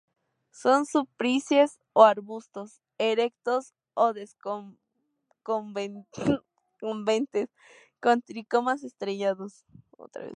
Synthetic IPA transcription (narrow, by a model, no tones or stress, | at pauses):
so̞nsupɾisje̞s | oaɾβust̪o̞s | eɾek̚t̪os | oðeso | ko | kombent̪es | kont̪ɾikomas̬est̪ɾeʝaðos | o̰t̪ɾa̰βḛs